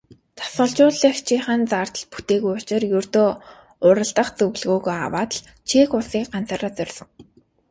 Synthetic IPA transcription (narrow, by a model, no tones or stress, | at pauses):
t̪ʰḁsə̆ɮt͡ɕʊːɮĭxt͡ɕʰiːχaːnt͡saːr̥t̪ə̆ɮpu̥t̪eːɣujʊt͡ɕɪ̆rjɵrt̪oː | ʊɾə̆ɮt̪ə̆χt͡sɵɣɮɣoːɣoa̰waːt̪ə̆ɮ | t͡ɕʰeːxʊɮsiːk̚ɢant͡saːɾaːt͡sœrʲsɞ̆ŋ